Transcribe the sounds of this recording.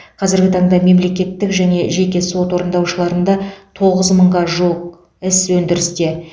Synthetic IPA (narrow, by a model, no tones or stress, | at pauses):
qʰɑzɪɾɡʲɪt̪ʰɑɴd̪ɑme̞mle̞kʲe̞t̪ːɪkʒæne̞ʒe̞kʲe̞so̞t̪wo̞ɾənd̪ɑwʃəlˠɑɾənd̪ɑt̪ʰo̞ʁəzməɴʁɑʒoq | ɪswɵnd̪ɪɾɪst̪e̞